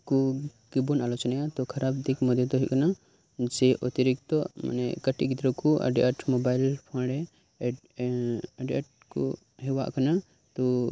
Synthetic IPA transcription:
kɔɡibunalɔt͡ʃɔnajat̪ɔkʰaɾabd̪ikmɔd̪jɔt̪ɔɦiʔkana | d͡ʒɛʔɔt̪iɾik̚t̪ɔma̰nɛ̰kəʈiʔɡit̪ɾɔkɔʔa̰ɖiaʈmɔbajlpʰãɽɛ | aɖiaʈ̚ | kɔ̰ | ɦɛwa̰ʔkana | t̪ɔ

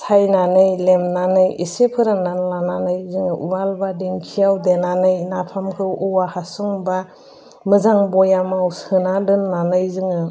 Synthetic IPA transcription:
sʰajnanɯjlemnanɯjisepʰɯɾananlananɯjzɯŋɯʔubalbadiŋkʰijawdenanɯjnapʰamkʰɯwɔwahasɯŋba | mɯzaŋbɔjamawsɯnadɯnːanɯjzɯŋɯ

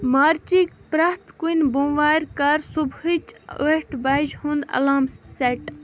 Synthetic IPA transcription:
maːɾt͡ʃikpɾɐht̪kunʲbũːʋaːɾʲkɐɾsubhɨt͡ʃoʈbɐd͡ʒhũnd̪ɐ̰laːmseʈ

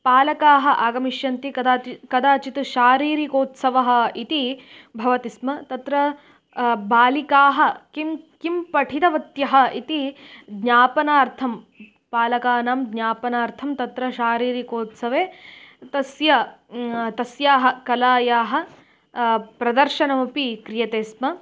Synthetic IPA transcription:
paːlɐkaːɦɐ̆ʔaːɡɐmiʃjɐnt̪iɐd̪akɐd̪aːt͡ʃit̪uʃaːɾiːɾikoːt̪sɐʋɐɦɐ̆it̪i | bʱɐʋɐt̪ismɐt̪ɐt̪ɾɐ | baːlikaːɦɐ̆kimkimpɐʈʰit̪ɐʋɐt̪jɐɦɐ̆it̪id̪ɲaːpɐnaːɾt̪ʰɐm | paːlɐkaːnaːmd̪ɲaːpɐnaːɾt̪ʰɐmt̪ɐt̪ɾɐʃaːɾiːɾikoːt̪sɐʋeːt̪ɐsjɐ | t̪ɐsjaːɦɐkɐlaːjaːɦɐ̆ | pɾɐd̪ɐɾʃɐnɐmupikɾijɐt̪eːsmɐ

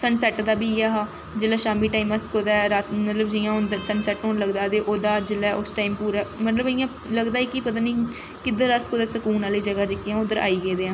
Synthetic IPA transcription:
səɳsɛːʈd̪aːbiːaːɦaː | d͡ʒeːlɛːʃaːmiːʈaːiːməst̪koːd̪aːɛɾaːt̪mət̪ləbd͡ʒɪjãːʊnd̪əɾsəɳsɛːʈɦoːnləɡd̪aːd̪eːʔoːd̪aːd͡ʒeːlɛːʔʊsʈaːiːmpuːɾaːmət̪ləbɪjãː | ləɡd̪aːiːkipət̪aːniː | kɪd̪əɾəskoːd̪eːsəkuːnaːliːd͡ʒəɡaːd͡ʒekɪjãːʊd̪əɾa̰ːiːɡeːd̪eːãː

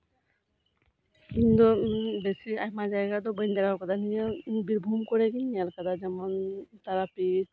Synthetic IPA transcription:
ind̪ɔbesiajmad͡ʒajɡad̪ɔbəjnd̪aɾaɾkɔd̪anijabiɾbʱumkɔɾɛkinialkad̪ad͡ʒɛmɔnt̪aɾapi

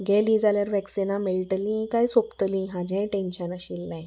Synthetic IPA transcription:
ɡelĩːd͡zaljaɾʋɛksinameɭʈəlĩkajsopt̪lĩɦad͡ʑẽʈenɕənaɕilːaj

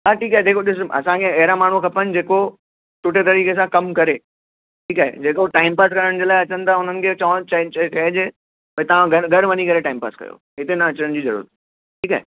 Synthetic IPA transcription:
ɦaːʈʰiːkaːɦed̪eːkoɗɪsɐ̰sãkʰẽɐɦɪɾamaːɳ̤ukʰɐpənɪ̆d͡ʑeːko | ʈʊʈʰet̪ɐɾiːkesãkɐmkɐɾe | ʈʰiːkaːɦḛd͡ʑeːkoʈaːɪmpaːskɐɾəɽ̃d͡ʑeːlaːɪɐt͡ɕə̃nɪd̪aʊn̤ənɪ̆kʰet͡ɕat͡ɕɐt͡ɕt͡ɕɐɦd͡ʑeː | t̪ɐʋ̤ãɡʱɐɡʱɐɽʋɐɲikɐɾeʈaːɪmpa̰ːskɐ̰jo̰ | ɦɪt̪enɐɐt͡ɕəəɽ̃d͡ʑiːzɐɾṵɾə̰t̪ʰi | ʈʰiːka̰ːɦḛ

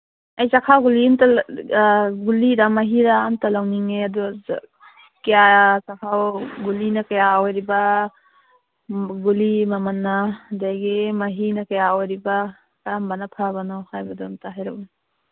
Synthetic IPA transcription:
ɐjsakʰawɡulinta | ɡuliɾamaɦiɾaːntalawniŋeadu | kjasakʰawɡulinɐkajawjɾiba | ɡulimamɐnːadajɡimaɦinakajawɾiba | kambanapʰaβanɔhajbɐdomtaɦajɾawni

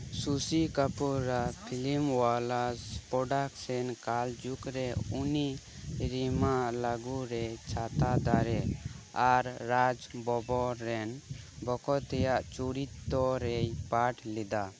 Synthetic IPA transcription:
susikapuɾapʰilimwalaspɔɖaksɛnkald͡ʒukɾɛuni | ɾimaʔlaɡuɾɛt͡ʃʰat̪ad̪aɾɛaɾːad͡ʒbɔbɔɾɛnbɔkɔt̪ɛjaʔt͡ʃuɾit̪ːɔɾɛjpaʈlɛd̪a

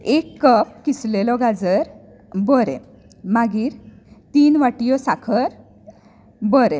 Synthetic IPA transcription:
ekːəp̚kislelɔɡad͡zəɾ | bɔɾɛ̰̃ | maɡiːɾ | t̪iːnʋaʈijɔsakʰəɾ | bɔɾɛ̃

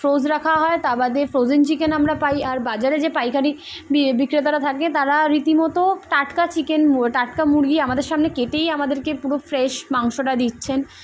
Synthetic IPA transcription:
fɾozɾakʰaɦɔet̪abad̪efɾod͡ʑent͡ɕikenamɾapajaɾbad͡ʑaɾed͡ʑepajkʰaɽi | ibikɾet̪aɾat̪ʰaket̪aɾaɾit̪imɔt̪oʈaʈkat͡ɕikenʈaʈkamuɾɡiamad̪eɾʃamnekeʈejamad̪eɾkepuɾofɾeʃmaŋʃoʈad̪itːɕʰen

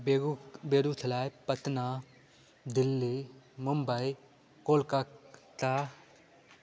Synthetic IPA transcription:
beːɾut̪ʰɐlaːjpət̪na | d̪ɪlːimʊmbəi | koːlkat̪a

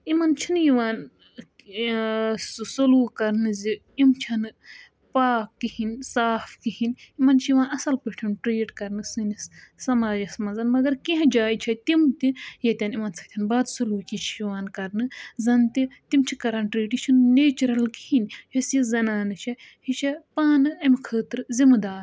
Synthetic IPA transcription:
imɐnt͡ʃʰinjiʋaːn | ssuluːkɐɾnɨzi | imt͡ʃʰɐnɨ | paːkːihinsaːfkihinimɐnt͡ʃʰijiʋaːnɐsɐlpiʈʰɐnʈɾeːʈkɐɾnɨsɨnissɐmaːd͡ʒɐsmɐzɐnmɐɡɐɾkiɦɐ̃d͡ʒaːjt͡ʃʰɐt̪imt̪ijɐt̪ʲɐnimɐnt͡sʰɐ̥k̚t̪ʰʲɐnbaːd̪suluːkʲit͡ʃʰiʋaːnkɐɾnɨzɐnt̪it̪imt͡ʃʰikɐɾɐnʈɾeːʈit͡ʃʰɐnneːt͡ʃɾɐlkihinjɐsizɐnaːnɨt͡ʃʰɐhit͡ʃʰɐpaːnɨɐmkʰəːt̪ɾɨzimɨd̪aːɾ

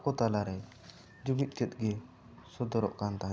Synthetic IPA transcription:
kɔt̪alaɾɛ | d͡ʒumit̪̚ˀt͡ʃɛt̪̚ɡɛ | sɔd̪ɔɾɔʔkant̪aɦã

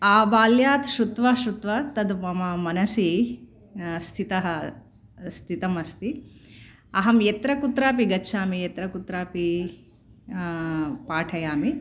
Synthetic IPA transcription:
aːbaːljaːt̪ʃɾut̪ʋaːʃɾut̪ʋɐt̪ɐd̪mɐmɐmɐnɐsi | st̪ʰit̪ɐɦɐ | st̪ʰit̪ɐmɐst̪i | ɐɦɐmjet̪ɾɐkut̪ɾaːpiɡɐtːʃʰaːmijet̪ɾɐkut̪ɾaːpi | paːʈʰɐjaːmi

